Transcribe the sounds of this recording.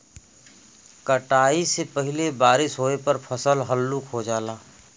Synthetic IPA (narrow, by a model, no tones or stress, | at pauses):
kəʈaːisepəɦɪlebaːɾɪsɦoːepəɾpʰəsəlɦəlːuːkɦod͡ʒaːlaː